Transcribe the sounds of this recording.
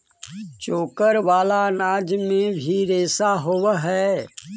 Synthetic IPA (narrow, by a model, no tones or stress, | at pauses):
t͡ʃoːkəɾʋaːlanaːd͡ʒmẽbʱiɾeːsaɦoʋɦɛː